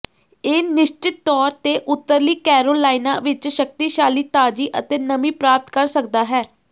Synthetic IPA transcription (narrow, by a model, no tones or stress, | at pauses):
eːnɪʃt͡ʃɪt̪ːɔːɾt̪eːʔʊt̪ːəɾliːkɛːɾoːlaːinaːʋɪt͡ʃʃək̚t̪iːʃaːliːt̪aːd͡ʒiːʔət̪eːnəmĩːpɾaːp̚t̪kəɾsək̚d̪aːɦɛː